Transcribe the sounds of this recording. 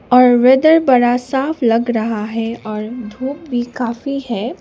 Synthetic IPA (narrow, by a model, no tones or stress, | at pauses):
ɔːɾʋɛd̪əɾbɐɽasaːflɐɡɾɐɦaɦɛɔːɾd̪ʱuːp̚bʱikaːfihɛː